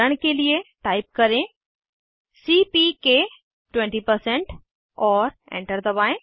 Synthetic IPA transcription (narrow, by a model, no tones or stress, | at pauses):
əɽ̃kelieʈaːɪp̚kɐɾẽ | siːpike | ʈwẽɳʈipəɾsẽɳʈ | ɔːɾḛ̃ɳʈəɾd̪ɐʋaːẽ